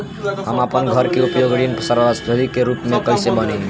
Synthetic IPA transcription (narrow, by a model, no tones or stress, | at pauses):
ɦəmapənɡʱəɾkeupjoɡɽinpəsəɾast̪ud̪ikeɾupmekəjsebəne